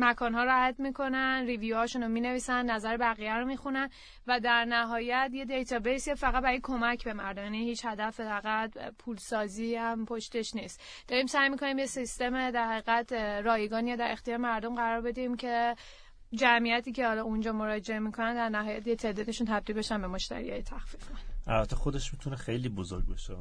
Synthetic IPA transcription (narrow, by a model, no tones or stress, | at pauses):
mækʰɒːnɦɒːɾohæt̪mikʰo̞nænrivijuhːʃunomiːne̞viːsænːæzæɾebæɣijæɾomixunæn | væd̪æɾnæɦɒːjæt̪je̞d̪ejt̪ʰɒbejsefæɣæt̪̚bæɾɔjekʰo̞mæcʰbe̞mæɾd̪omjænihiːt͡ʃhæd̪æfed̪æɾɣæd̪pʰuːlsɒːziːhæmpʰoʃt̪eʃniːst̪ | d̪ɒːɾiːmsæjmikʰo̞nimjesist̪e̞med̪æɾhæɣiːɣæt̪ɾɒːjeɡɒːnijed̪æɾe̞xt̪ijɒːɾemæɾd̪o̞mɡæɾɒːɾbe̞d̪iimcʰe̞ | d͡ʒæmijæt̪ʰiːcʰe̞hɒːlɒːund͡ʒɒːmo̞ɾɒːd͡ʒe̞emikʰo̞nænd̪æɾnæɦɒːjæt̪jet̪ʰe̞d̪ɒːd̪eʃunt̪ʰæb̚d̪ilbe̞ʃænbe̞mo̞ʃt̪æ̰ɾḭɒ̰ːjet̪ʰæxfifɔnʔæ̰lbæt̪ʰːexod̪eʃmit̪ʰunexe̞jliːbozo̰ɾɟ̚beʃe